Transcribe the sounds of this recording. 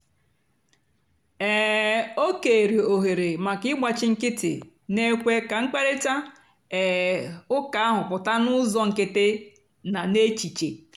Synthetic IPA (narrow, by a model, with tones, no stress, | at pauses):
ɛ˨o˦ke˨ɾi˨o˨ɦe˨ɾe˨ma˨kɪ˦ɪ˦ɡ͡ba˨t͡ʃɪ˦ŋ̩˦kɪ˦tɪ̰˨ | ne˦kʷe˦ka˨ŋ̩˦k͡pe˦ɾe˦ta˦ | ɛ˨ʊ˦ka˨a˦ɦʊ˨pʊ˨ta˦nʊ˦zɔ˦ŋ̩˨ke˦te˦ | na˨ne˦t͡ʃi˨t͡ʃe˨